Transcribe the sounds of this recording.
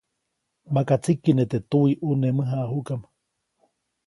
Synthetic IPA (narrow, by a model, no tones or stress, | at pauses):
makat͡sikːinet̪et̪uiʔunemɨɦaʔːɦukam